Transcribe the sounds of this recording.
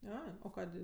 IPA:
ˈɐɪ oː ˈkɑːdʲeː

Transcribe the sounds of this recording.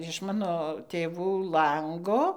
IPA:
ɪʃ ˈmɑːnoː tʲeːˈʋuː ˈlˠɐŋɡoː

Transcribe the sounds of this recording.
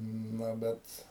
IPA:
ˈnɐ ˈbʲɛt

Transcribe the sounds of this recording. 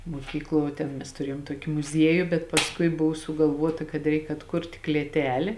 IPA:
muɔˈkʲiːkˌlˠuɔ ʋuɔ ˈtʲeːn ˈmʲɛs tʊˈrʲiɛjoːm ˈtuɔkʲɪ mʊˈzʲiɛjʊ bʲɛt pɐsˈkʊɪ ˈbʊʋoː sʊɡɐlˠˈʋuɔtɐ kɐt ˈrʲɛɪk ɐtˈkʊrʲtʲ klʲeːˈtʲæːlʲeː

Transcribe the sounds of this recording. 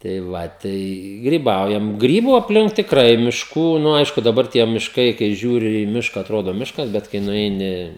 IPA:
tɐɪ ˈʋɐ ˈtɐɪ ɡrʲiːˈbɐʊjɛm ˈɡrʲiːbʊ ɐpʲˈlʲɪŋk tʲɪkˈrɐɪ mʲɪʃˈkuː nʊ ˈɐɪʃkʊ dɐˈbɐr tʲiɛ mʲɪʃˈkɐɪ kɐɪ ˈʒʲuːrʲɪ iː ˈmʲɪʃkɐ ɐtˈroːdoː ˈmʲɪʃkɐs ˈbʲɛt kɐɪ nʊˈɛɪnʲɪ

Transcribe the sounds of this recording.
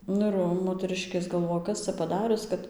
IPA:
ˈnʊ ɪr ˈʋɐ moːtʲɛˈrɨʃʲkʲeːs ɡɐlˠˈʋoːjɛ ˈkɐs t͡sɐ pɐˈdɑːrʲʊs ˈkɐt

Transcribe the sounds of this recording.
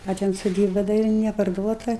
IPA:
ɐ ˈtʲɛn soːˈdʲiːbɐ dɐ ˈɪr nʲɛpɐrˈduɔtɐ

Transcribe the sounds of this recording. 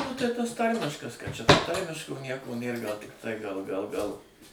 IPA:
ˈnʊ tɐɪ ˈtɐs ˈtɐrʲmʲɪʃkɐs kɐt t͡ʃʲɛ ˈtoː ˈtɐrʲmʲɪʃkoː ˈnʲiɛkoː ˈnʲeːr ˈɡɐlˠ ˈtɐɪ ɡɐlˠ ɡɐlˠ ˈɡɐlˠ

